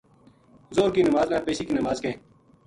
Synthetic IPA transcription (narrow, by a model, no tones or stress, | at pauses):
zoːɾkiːnəmaːznãːpeːsiːkiːnəmaːzkẽː